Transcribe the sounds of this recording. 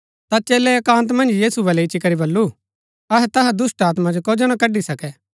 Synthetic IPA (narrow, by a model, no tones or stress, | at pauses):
t̪at͡ʃeːlɛɛkãːnt̪̬mɐ̃nd͡ʒjiːsubɐlɛɪt͡ʃikɐɾibɐlːu | ɐɦɛt̪ɐɦɛd̪ʊsʈaːt̪mãd͡ʒokod͡ʒɐñãkɐɖːisɐkɛ